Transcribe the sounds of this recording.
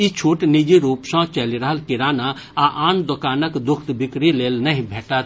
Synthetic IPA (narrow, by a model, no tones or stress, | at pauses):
it͡ʃʰuːʈnid͡ʒiɾuːpsãːt͡ʃɛliɾəɦəlkɪɾaːna | aʔaːnd̪ʊkaːnəkd̪ʊkʰt̪bɪkɾileːlnɐɦĩbʱeːʈət̪